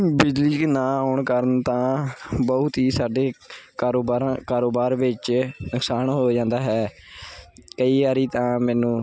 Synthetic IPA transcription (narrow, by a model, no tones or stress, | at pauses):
bɪd͡ʒliːknãːɦɔːɳkəɾənt̪ãːbɔʊt̪ɦiːsaːɖeːkaɾoɾkaːɾoːbaːɾʋɪt͡ʃnʊksaːɳɦoːd͡ʒãːnd̪aːɦɛː | kəiːaːɾiːt̪ãːmɛːnũː